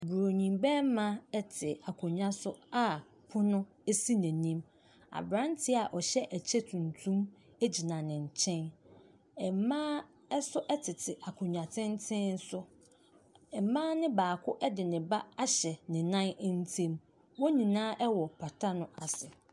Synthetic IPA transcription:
bu˨ɾo˨ɲĩ˨mbɛ˦mã˦ɛ˦tʰɪ˨a˨kʰʊ̃˨ɲᶣã˦sʊ˦a˦˨ | pʰʊ˦nʊ̃˦ | e˦si˦næ̃˨nĩ˦m | a̰˨bɾã˦ntʰɪ˦a˨ʔɔ˨ɕɛ˦ʔæ˨t͡ɕʰɛ˦tʰũ˨ntʰũ˦m | e˦d͡ʑi˨nã˨nɪ̃˨ɲ̩˨t͡ɕʰɛ̃˦n | ɛ˨mã˦ | ɛ˦sʊ˦ʔɛ˦tʰɪ˨tʰɪ˨ʔa˨kʰʊ̃˨ɲᶣã˨tʰɪ̃˦n˦tʰɪ̃˦n̩˦sʊ˦ | ɛ˨mãː˦nɪ̃˦baː˨kʰʊ˦ʔɛ˦dɪ˨nɪ̃˨ba˦a˦ɕɛ˨nɪ̃˨nã˦n˦n̩˦tʰẽ˦m | wɔ˦nĩ˨nãː˦ʔɛ˦wɔ˨pʰa˨tʰa˦nʊ̃˦ʔa˨sɪ˨

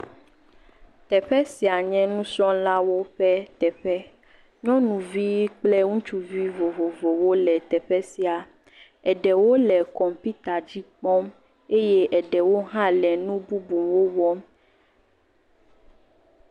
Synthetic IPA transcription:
t̪ɛ˨ɸɛ˦si˨a˨ɲɛ̃˦nũ˦sɔ̃˦la˦wo˦ɸɛ˦t̪ɛ˨ɸɛ˦ | ɲɔ̃˦nũ˨vi˦k͡plɛ˦ŋũ˦t͡ʃu˦vi˦vo˨vo˨vo˨wo˦lɛ˨t̪ɛ˨ɸɛ˦si˨a˨ | ɛ˨ɖɛ˨wo˦lɛ˨kɔ˨mpi˦t̪a˨d͡ʑi˦k͡pɔ˦m | e˦je˦ʔɛ˨ɖɛ˨wo˦ɦã˦lɛ˨nũ˦bu˦bu˨mwo˦wɔ˦m

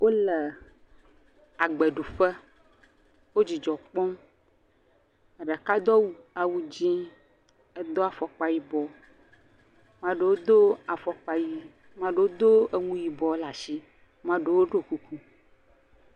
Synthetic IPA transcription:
wʔo˦lɛ˨ | a˨ɡ͡bɛ˨ɖu˨fɛ˦ | wo˦d͡ʑi˨d͡ʒɔ˨k͡pɔ̃˦m˨ | ɖa˨ka˦d̪ɔ˦wu˨a˨wu˦d͡ʑĩ˦ | ɛ˦d̪ɔ˦a˨fɔ˨k͡pa˦ji˦bɔ˨ | mã˦ɖe˨wo˦d̪o˦a˨fɔ˨k͡pa˨ji˦ | mã˦ɖe˨wo˦d̪o˦e˦ŋũ˦ji˨bɔ˨˦la˨si˦ | mã˦ɖe˨wo˦ɖo˦ku˦ku˦

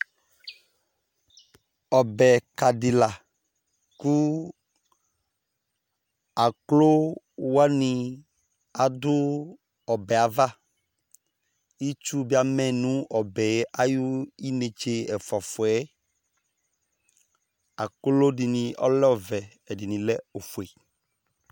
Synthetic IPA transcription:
ɔ˨bɛ˨ka˨di˨la˨ | ku˦ | a˨klo˦ | wa˦nĩ˦ | a˨d̪ʊ˦ | ɔ˨bɛ˨a˨va˦ | i˦t͡ʃu˦bi˦a˨mɛ̃˦nũ˦ɔ˨bɛ˨˦ʔa˦ju˦i˦ne˨t͡ʃe˦ɛ˨fɔ˨fɔ˨ɛ˦ | a˨klo˦di˨nĩ˨ɔ̰˦lɛ˦ɔ˨vɛ˨ | ɛ˨di˨nĩ˨lɛ˦o˨fu˨e˨

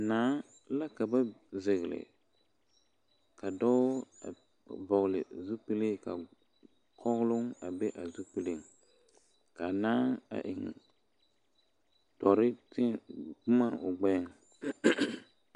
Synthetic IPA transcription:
naː˨˦ | la˦ka˨ba˦ze˨ɣɪ˨lɪ̰˨ | ka˨dɔ˦a̰˨ | bɔ˨ɣlɪ̰˨zu˦pi˦le˦ka̰˨ | kʰɔ˦ɣlʊ˦ŋa˨be˦ʔa˨zu˦pi˦lɪ˦ŋ | ka˨naː˦a̰˨ʔɪ̰˨ŋ | tɔ˨ɾɪ˦tɪ˦˨bʊ˦ma˦ʊ˨ɡ͡bɛː˦ŋ

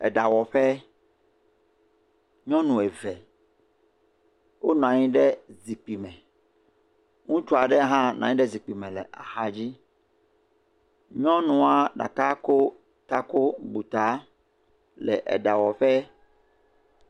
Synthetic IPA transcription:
ɛ̰˨ɖa˨wɔ˨ɸɛ˦ | ɲɔ̃˦nũ˨e˨vɛ˨ | wo˦ñ˨ã˨ɲĩ˦ɖɛ˦zi˨k͡pi˨mɛ̃˨ | ŋũ˦t͡ʃɔ˦a˨ɖɛ˦ɦã˦nã̰˨ɲĩ˦ɖɛ˦zi˨k͡pi˨mɛ̃˨lɛ˨ʔa̰˨ha˦d͡ʑi˦ | ɲɔ̃˦nũ˨a˨ɖa̰˨ka˦ko˦ | t̪a˦ko˦bu˨t̪a˦ | lɛ̰˨ʔɛ̰˨ɖa˨wɔ˨ɸɛ˦

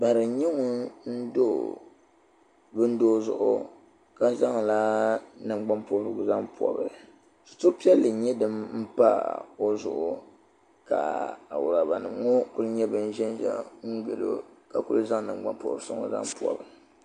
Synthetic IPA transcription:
ba˨ɾɨ˨˦ɲɛ˦ŋu˦n̩˦do˦˨ | bɨ˦n̩˦doː˦zʊ̰˨ʔʊ̰˦ | ka˦za˦ŋ˨la˦nɨ˨ŋ͡mɡ͡ba˦mpo˦bɾɨ˨ɡʊ˨za˦ŋpu˨ɔ̰˨bɨ˨ | su̥˨to˦pi˦ɛ˦lːɨ˨˦ɲɛ˦dɨ˦mm̩˦pa̰˦o˦zʊ̰˨ʔʊ˨ | ka̰˨a̰˨wʊ˨ɾa˨ba˨nɨ˨mŋo˦ku˦lɨ˦ɲɛ˦bɨ˦n̩˦ʒɛ˦n˦ʒɛ̰˦ŋ̩˦ɡ͡bɛ̰˨lo̰˦ka˨ku˦lɨ˦za˦ŋnɨ˨ŋ͡mɡ͡ba̰˦mpo̰˨bɾsʊ̰˦ŋ̰˨za̰˦mpu˨ɔ̰˨bɨ˨

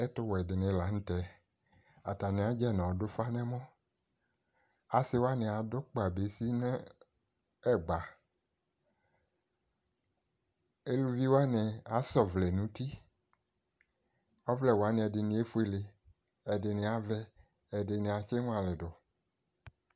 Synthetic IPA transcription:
ɛ˦tʊ˦wɔ˨ɛ˨dɪ˨nɪ̃˨˦la˨˦ñ̩˦tɛ˦ | a˨ta˨nɪ̃˨˦a˨d͡ʒɛ˦˨nɔ̃˨dʊ˦fa˦nɛ̃˦mɔ̃˦ | a˨sɪ˦wa˦nɛ̃˨a˨dʊ˦k͡pa˨be˨˦si˦nɛ˦ | ɛ˦˨ɡ͡ba˨ | e˦lu˦vi˦wa˦nɛ˨a˨sɔ˦˨vlɛ˨nũ˨˦t̪i˦ | ɔ˦vlɛ˨wa˨˦nẽ˨ɛ˨dɪ˨nĩ˨˦e˦fu˦e˦le˨ | ɛ˨dɪ˨nɪ̃˨a˨vɛ˦ | ɛ˨dɪ˨nɪ̃˨a˨t͡ʃɛ˦ŋ̃˦a˨lɪ˨dʊ˨

